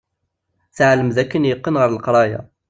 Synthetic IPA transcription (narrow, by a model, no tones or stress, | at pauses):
θʕləmðækːənjəqːənʁəɾˤəlqɾˤɑja̰